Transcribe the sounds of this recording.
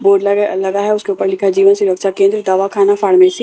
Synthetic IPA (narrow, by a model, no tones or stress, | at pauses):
boːɖllɐɡaɦɛʊskeuːpəɾlɪkʰad͡ʒiːʋənsʊɾəkʃakẽːnd̪ɾəd̪aːʋakʰaːnafʰaːɽmẽsi